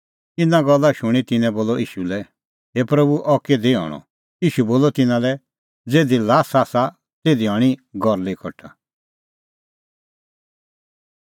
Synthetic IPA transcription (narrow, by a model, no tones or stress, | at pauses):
t̪ɪnãɡɔlːaʃʊɽ̃it̪ɪnɛ̃boːlɔʔḭːʃulɛ | ɦepɾɐbuʔɔked̪eɦɔ̰ːɽ̃ɔ̰̃ | iːʃuboːlɔt̪ɪnãlɛ | d͡zeːd̪ilaːsaːsa | t̪eːd̪iɦɔɽ̃iɡɔɾlekʰɔʈʰa